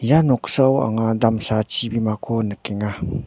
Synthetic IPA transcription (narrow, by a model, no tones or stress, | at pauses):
janoksawa̰ŋadamsat͡ʃibimakʰonəkiŋa